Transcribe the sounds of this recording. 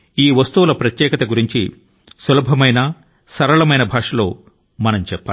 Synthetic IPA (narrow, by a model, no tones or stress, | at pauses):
iːʋɐst̪uwulɐpɾɐt̪jɛːkɐt̪ɐɡuɾiɲt͡ʃi | sɐlɐbʱɐmɐjnɐ | sɐɾɐɭɐmɐjnɐbʱaːʂɐloː | mɐnɐmt͡ʃɛpːaː